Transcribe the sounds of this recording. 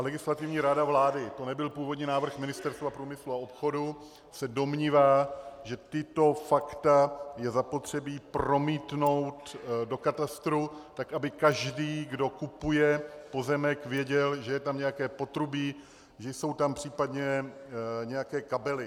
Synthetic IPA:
lɛɡɪslat̪ɪvɲiːɾadavlaːdɪt̪o̞nɛbɪlpuːvo̞dɲiːnaːvr̩xmɪnɪst̪ɛɾst̪vapɾuːmɪsluao̞pxo̞du | sɛdo̞mɲiːvaːʒɛt̪ɪt̪o̞fakt̪ajɛzapo̞t̪r̝̥ɛbiːpɾo̞miːt̪no̞wt̪do̞kat̪ast̪ɾut̪akʔabɪkaʒdiːɡdo̞kupujɛpo̞zɛmɛkvjɛɟɛlʒɛjɛt̪amɲɛjakɛːpo̞t̪ɾubi | ʒɛjso̞wt̪ampr̝̥iːpadɲɛ | ɲɛjakɛːkabɛlɪ

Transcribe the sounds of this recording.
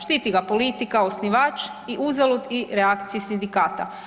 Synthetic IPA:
ʃt̪it̪iɡapolit̪ikaosniʋaːt͡ʃ | iʔuzalud̪iɾeakt̪siisind̪ikaːt̪a̰

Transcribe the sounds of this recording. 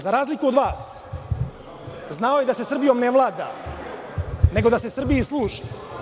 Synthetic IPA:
zaɾaːzlikuod̪ʋaːs | znao̞jed̪ase̞sr̩bijo̞mneʋlˠaːd̪a̰ | ne̞ɡo̞d̪ase̞sr̩bijislˠuːʒi̥

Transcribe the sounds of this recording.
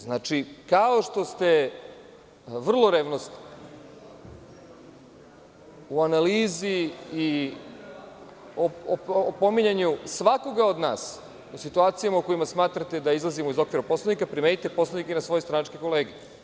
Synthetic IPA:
znat͡ʃikaoʃt̪o̞st̪e̞ | ʋr̩lˠo̞ɾeːʋnost̪i̥ | uanaliːziː | oopo̞miɲaɲusʋako̞ɡao̞d̪na̰ːs | usit̪uaːt̪sijamauko̞imasmaːt̪ɾat̪e̞d̪aizlˠazimo̞izo̞kʋiɾapo̞slanikapɾimenit̪epo̞slˠanikinaso̞jest̪ɾanat͡ʃkeko̞leːɡe

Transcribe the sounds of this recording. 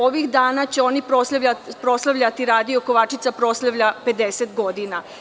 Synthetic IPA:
oʋixd̪aːnat͡ɕeo̞nipɾosapɾo̞slˠaʋʎʲat̪iɾaːd̪ijo̞ko̞ʋaːt͡ʃit̪sapɾo̞slˠaʋʎʲape̞d̪eset̪ɡo̞d̪ina

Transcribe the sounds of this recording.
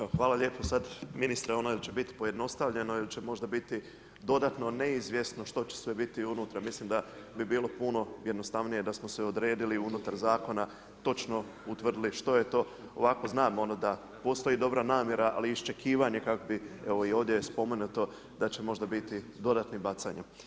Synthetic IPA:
eoxʋaːlˠaʎe̞ːposad̪minist̪ɾeonoilt͡ɕe̞bit̪i̥poje̞d̪no̞st̪aʋʎe̞no̞ilit͡ɕemo̞ʒd̪abit̪i | d̪o̞d̪at̪no̞ne̞izʋje̞st̪no̞ʃt̪o̞t͡ɕe̥sʋe̞bit̪iunut̪ɾamislˠimd̪a | bibiːlˠo̞puno̞jed̪no̞st̪aʋnije̞d̪asmo̞seod̪ɾe̞ːd̪iliunut̪aɾzaːko̞na | t̪o̞t͡ʃno̞ | ut̪ʋr̩d̪iliʃt̪o̞jet̪o̞ː | oʋako̞znaːmo̞nod̪a | po̞st̪o̞jid̪o̞bɾanaːmje̞ɾaʔa̰liːst͡ʃe̞kʰiːʋaɲe̞kakobieʋo̞io̞ːʋd̪jejespo̞me̞nut̪o̞ | d̪at͡ɕe̞mo̞ʒd̪abit̪id̪o̞d̪at̪nibat̪saɲa

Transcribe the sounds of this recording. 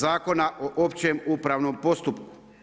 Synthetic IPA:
aːko̞naʔoʔopt͡ɕemuːpɾaːʋnoːmpo̞st̪upkuu̥

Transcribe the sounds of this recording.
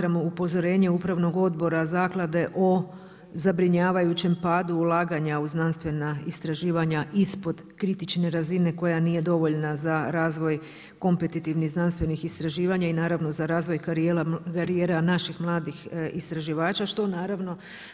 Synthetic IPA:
ɾamoupo̞zo̞ɾe̞ːɲe̞upɾaʋno̞ɡo̞d̪bo̞ɾazaːklˠad̪e̞ʔo̞ | zabɾiɲaːʋajut͡ɕe̞mpaːd̪uːlˠaːɡaɲauznanst̪ʋe̞naist̪ɾaʒiːʋaɲaʔispo̞d̪ | kɾit̪it͡ʃne̞ɾazine̞ko̞janiːje̞d̪o̞ʋo̞ʎnazaɾaːzʋo̞j | ko̞mpet̪it̪iʋniɣznanst̪ʋe̞nixist̪ɾaʒiːʋaɲainaːɾaʋnozaɾaːzʋo̞jkaɾijeːlakaɾijeːɾanaʃixmlˠaːd̪ixist̪ɾaʒiʋaːt͡ʃaʃt̪o̞naːɾaʋno̞

